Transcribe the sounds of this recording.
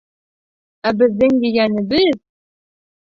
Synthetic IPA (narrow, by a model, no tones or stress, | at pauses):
æbɘ̆zːɘŋjĭjænɘ̆bɘz